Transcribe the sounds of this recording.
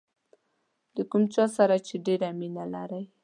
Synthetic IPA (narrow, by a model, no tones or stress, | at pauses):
d̪əkumt͡ʃɑsaɾat͡ʃeɖeɾaminala̰ɾaj